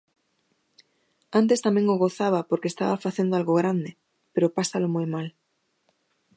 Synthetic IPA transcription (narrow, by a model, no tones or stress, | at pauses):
ãnt̪̬e̞st̪amjeŋoɣoθaβ̞apoɾkest̪aβafaθje̞nd̪oalɣoɣ̞ɾand̪e | pe̞ɾopasalomujmal